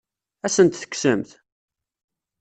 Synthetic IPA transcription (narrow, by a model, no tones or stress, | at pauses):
æsənt̪θə̥ksəmθ